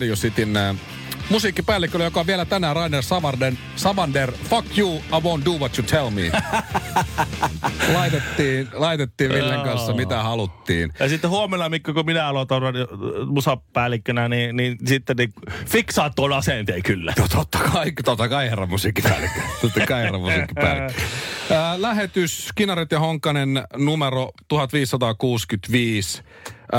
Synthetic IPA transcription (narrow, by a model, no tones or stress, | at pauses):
ijusit̪inː | musikːipæːlːikːølːjokɑʋielæt̪ænæːrɑinersɑʋɑrnen | sɑʋɑnderfɑkjuːɑʋõnt̪duʋot̪jut̪ʰelmḭː | lɑit̪et̪ːiːnlɑit̪et̪ːiːʋʋilːeŋkɑnsːɑmit̪æhɑlut̪ːḭːnjɑsit̪ːehuomenːɑmikːøkuminæɑlot̪orːɑnjmusɑppæːlikːønæniniːnsit̪ːenifiksɑːt̪t̪ːuonɑsent̪eːkylːæ̰t̪ot̪ːɑ̥kɑikt̪ot̪ːɑkɑierɑmusiːkːipæ̰ːlikːøt̪ot̪ːɑkɑierɑmusiːkːiæ̰ːlikːøəlæhet̪yskinɑrit̪jɑhoŋkːɑnennumerot̪uhɑt̪ʋiːsːɑt̪ɑkuːskyt̪ʋiːs